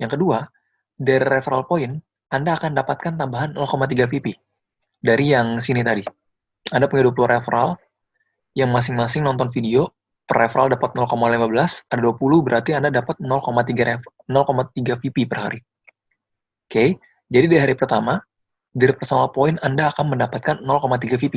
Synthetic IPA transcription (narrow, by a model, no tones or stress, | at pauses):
jaŋkədua | daɾiɾefɾalpoɪn | andaːkandapat̪̚kant̪ambaɦanːɔlkomat̪̬iɡafipi | daɾijaŋsinit̪adi | andapuɲaduapulurʔefɾal | jaŋmas̬ɪŋmasɪŋnɔnt̪ɔnfidio | pərefɾaldapat̪̚nɔlkomalimabəlasadaduapuluhbəɾʔart̪iandadapat̪̚nɔlkomat̪iɡanɔlkomat̪iɡafipipərha̰ɾi | kej | d͡ʒadidaɾiɦaɾipərt̪ama | daɾipərsanapoɪnandaːkanməndapat̪̚kanːɔlkomat̪̬iɡafipi